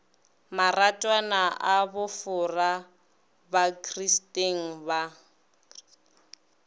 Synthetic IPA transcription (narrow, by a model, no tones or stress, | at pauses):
maratʼwanaʔabʊfʊra | bakʰristʼeŋ̩ba